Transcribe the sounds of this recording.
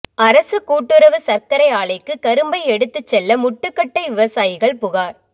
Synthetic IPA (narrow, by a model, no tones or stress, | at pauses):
ɐɾɐsɯkuːʈːɯɾɐʋɯsɐɾkɐɾɐɪaːɭɐɪkːɯkɐɾɯmbɐɪɛɽɯt̪ːɯt͡ʃːɛlːɐmʊʈːɯkːɐʈːɐɪʋɪʋɐsaːjɪɣɐɭpʊɣaːɾ